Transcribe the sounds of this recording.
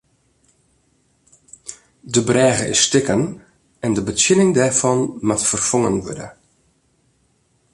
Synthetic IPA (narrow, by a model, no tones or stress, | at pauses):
dəbrɛːɣəʔɪ̰sːtɪkən | ɛndəbətjɪlɪŋdɛrfɔnmatfərfɔŋənʋʊ̰də̰